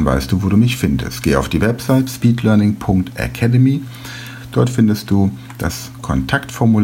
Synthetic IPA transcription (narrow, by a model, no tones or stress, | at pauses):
nva̰ɪstd̥uːvoːduːmɪçfɪndə̰stɡ̥eːəa̰ʊfd̥iːvɛpz̥aɪtspiːtʰlœɐnɪŋpʰʊŋk̚tʔa̰kʰɛdəmiː | d̥ɔɐtfɪndəst̚d̥uː | d̥a̰s | kʰɔntʰaktfɔɐmul